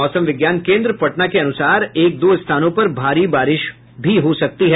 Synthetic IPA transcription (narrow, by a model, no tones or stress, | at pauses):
ɔːsə̃mʋɪɡjaːnkẽːnd̪ɾəpɐʈnakeɐnʊsaːɾeːk̚d̪oːɪst̪ʰaːnõpɐɾbʱaːɾibaːɾɪʃ | bʱiɦosɐk̚t̪iɦɛ